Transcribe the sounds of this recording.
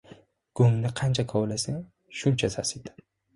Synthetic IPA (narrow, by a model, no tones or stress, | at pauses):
ɡ̥oŋnɪqʰant͡ʃʰakʰawlasɪŋ | ʃʊnt͡ʃʰasasid̪ɪ̥